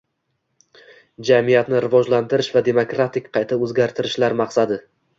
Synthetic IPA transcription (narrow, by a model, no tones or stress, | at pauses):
d͡ʒamijat̪nɪɾɪvɒd͡ʒlant̪ɪɾɪʃvad̪e̞mokɾat̪ʰɪkʲqʰɑjt̪ʰaɵzɡʲaɾt̪ʰɪɾɪʃlaɾmɑqsad̪ɪ